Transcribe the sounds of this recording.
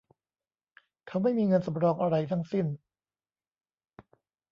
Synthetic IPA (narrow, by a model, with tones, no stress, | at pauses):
k̪ʰa˦˥˩wma˥˩jmiː˧ŋɤ˧nsa˨˦mɾɔː˧ŋʔa˧ɾa˧jt̪ʰa˧˥˩ŋsi˥˩n